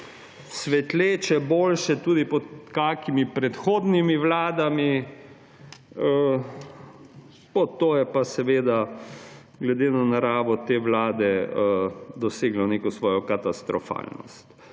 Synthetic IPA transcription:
sʋɛt̪leːt͡ʃɛboːlʃɛt̪uːd̪ipɔt̪kakimipɾɛt̪xoːd̪nimiʋlaːd̪ami | ə | pɔt̪oːjɛpasɛʋeːd̪a | ɡlɛd̪eːnanaɾaːʋɔt̪eːʋlaːd̪ɛ | d̪ɔseːɡlɔneːkɔsʋɔːjɔkat̪ast̪ɾɔfa̰ːlnɔ̰st̪

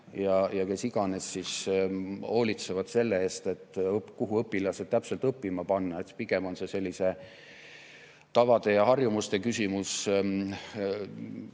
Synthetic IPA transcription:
jɑjɑke̞siɡ̥ɑne̞sːis | ho̞ːlit̪se̞vɑd̪̥se̞lːe̞eːst̪e̞t̪ːˑɤpkuɦuɤpːilɑsed̪̚t̪æpse̞lt̪ɤpːimɑpɑnːɑet̪spiɡ̥e̞mo̞nse̞se̞lːise̞ | t̪ɑvɑd̪e̞jɑɦɑrjumust̪e̞kysʲimus

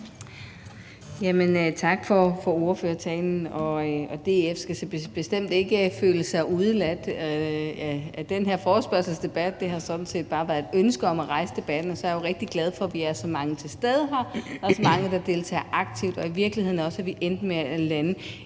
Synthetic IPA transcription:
jæmənøt͡sʰɑ̈ɡ̥fɒfɒo̝ɐføːɐt͡sʰɛ̰ːnn̩ɒ̽ɒ̽d̥e̝efsɡ̥æsb̥e̝sd̥em̰d̥e̝ɡ̥əfø̰ːləsɑ̈ɪuð̞ˠlæd̥ | æd̥enɦe̝ɐ̰fɒːsb̥ɶɐsl̩sd̥e̝b̥æd̥̚ːe̝ɦɑ̈sɒ̽d̥n̩se̝̰ːd̥̚b̥ɑ̈ːʋæɐd̥ønsɡ̥əɒ̽mæʁɑ̈ɪsəd̥e̝b̥æd̥n̩ɒ̽sɒɐjuʁɛɡ̥̚d̥iɡ̥lɛð̞ˠfɒ̽ʋiæɐsɒ̽mɑ̈ŋət͡sʰe̝lsd̥eð̞ˠɦɑ̈æɐsɒ̽mɑ̈ŋəd̥ɑ̈d̥e̝lt͡sʰɛ̰ːʔɑ̈ɡ̥t͡sʰiʊd̥ɒ̽iʋiɐɡ̥lihe̝ð̰ˠnɒ̽sæʋiʔend̥meælænə

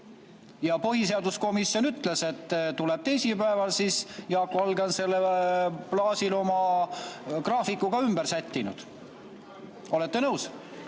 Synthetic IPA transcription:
jɑpoɦise̞ɑd̪usko̞misːjo̞nyt̪ˑle̞se̞t̪ːt̪ule̞b̥t̪e̞jsipæevɑlsiːsjɑːkovɑlɡense̞lːeplɑːsilo̞mɑ | krɑːfikːuɡ̥ɑymb̥eɾsæt̪ʲːinud̪̥ | o̞le̞t̪ːe̞nɤws

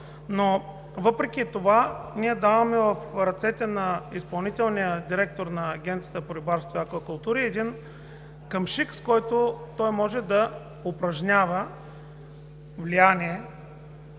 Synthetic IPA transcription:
no | vɤpɾɛkʲit̪ovaniɛd̪avɐmɛvəfɾɐt̪sɛt̪ɛnɐispɐlˠnit̪ɛlˠnijəd̪iɾɛk̚t̪oɾnɐːɡʲɛnt̪sjət̪əpoɾʲibaɾst̪vojɐkvɐkʊlˠt̪uɾiɛd̪in | kɐmʃikskɔjt̪ot̪ɔjmɔʒɛd̪ɐ | opɾɐʒnʲavə | vlijanʲiɛ

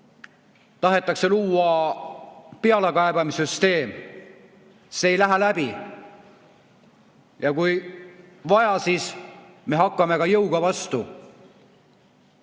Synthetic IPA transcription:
t̪ɑɦet̪ːˑɑkse̞luːɑ | peɑlekɑebɑmisyst̪e̞ːm | seːjlæɦælæb̥i | jɑkuj | vɑjɑsiːsme̞ɦɑkˑːɑme̞kɑjɤwɡ̥ɑvɑst̪u

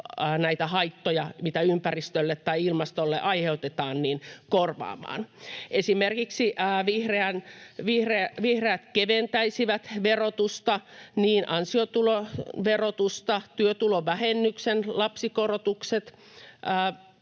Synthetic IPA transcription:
næit̪æhɑit̪ːojɑmit̪æympærist̪ølːet̪tɑiilmɑst̪olːḛʔɑiheut̪et̪ɑːnniːnkorʋɑ̰ːmɑ̰ːnʔesimerkiksiːʋihreænʋihreʋihreæt̪keʋent̪æisiʋæt̪ʋerot̪ust̪ɑniːnʔɑnsiot̪uloʋerot̪ust̪ɑt̪yøt̪uloʋæhenːyksenlɑpsikorot̪ukset̪ | əː

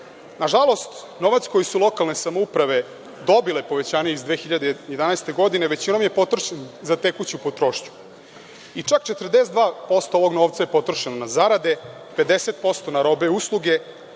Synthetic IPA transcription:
naʒalˠo̞st̪ | no̞ʋat̪sko̞jisulˠo̞kalˠne̞samoupɾaʋe̞ | d̪o̞bilepo̞ʋet͡ɕaːɲe̞izd̪ʋeːxiʎad̪ejed̪anaest̪e̞ɡo̞d̪ineʋe̞t͡ɕino̞mje̞po̞t̪ɾoʃenzat̪ekut͡ɕiupot̪ɾo̞ːʃt͡ɕu̥ | it͡ʂakt͡ʃet̪rd̪eset̪d̪vaːpo̞st̪ooʋo̞ɡno̞ːʋt̪saje̞po̞t̪ɾoʃenonazaɾad̪e̞ | pe̞d̪ese̞t̪̚po̞st̪o̞naɾo̞be̞uslˠuɡe̞

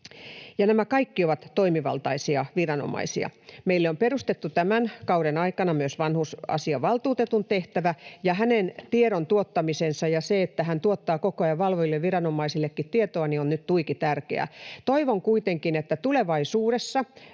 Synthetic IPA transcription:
jɑnæmækɑikːioʋɑt̪tːoimiʋɑ̰lt̪ɑisiɑʋirɑno̰mɑ̰isiɑ̰meilːeomperust̪et̪ːut̪æmænkɑuɾenɑikɑnɑmyøsʋɑnhusɑ̰siɑʋɑlt̪uːt̪et̪unt̪eht̪æʋæjɑhænent̪ieɾont̪uot̪ːɑmisensɑjɑseet̪ːæɦænt̪uot̪ːɑːkokoɑjɑʋɑlʋojilːeʋʋirɑnomɑisilːekːit̪t̪iet̪oɑnionnyt̪t̪uikit̪ærkḛæ̰t̪oiʋoŋkuit̪eŋkinet̪ːæt̪uleʋɑisuːɾesːɑ

